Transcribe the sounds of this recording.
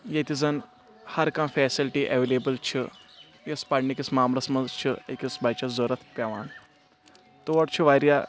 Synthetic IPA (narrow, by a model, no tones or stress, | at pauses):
jet̪ʲizɐn | hɐɾkãːfɛːsilʈiʔeʋelebɐlt͡ʃʰi | jɐspɐɽnikismaːmɾɐsmɐzt͡ʃʰiḛkʲisbʱat͡ʃɐzoɾɐt̪ʰpʲaʋaːn | t̪uʋɐʈt͡ʃʰiʋaɾja